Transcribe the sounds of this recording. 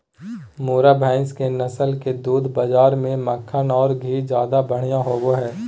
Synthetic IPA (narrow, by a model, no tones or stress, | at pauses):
moːɾabʱɛ̃ːnskenɐsəlked̪uːd̪ʱbəd͡ʒaːɾmẽməkʰːənɔːɾɡʱiːd͡ʒjaːd̪abɐɽ̤ijãɦoːɡoɦɛː